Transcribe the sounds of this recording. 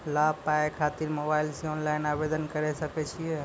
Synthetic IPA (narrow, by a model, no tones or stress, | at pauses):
labpaekʰat̪iɾmobailseɔnlajnabed̪ənkəɾɛsəkɛt͡ʃʰijɛ